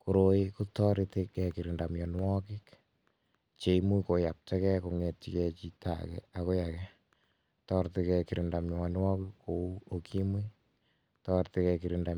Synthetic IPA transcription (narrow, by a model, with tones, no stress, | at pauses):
ku˨ɾoiku˦tɔɾiti˦kɛ˨ki˨ɾindamjɔ˨n˦wɔki˦k | t͡ʃe˨imu˦ko˨ja˨p̚tɛ˦kɛ˦koŋe˨tt͡ʃi˦kɛt͡ʃi˦ta̰kɛ̰ako˦jakɛ | tɔ˦ɾte˦kɛ˨kiɾi˨nda˨mjɔ˨ɔn˦wɔ˦kikːou˦o˨kʰi˦mi˦ | tɔɾtekɛ˨ki˨ɾinda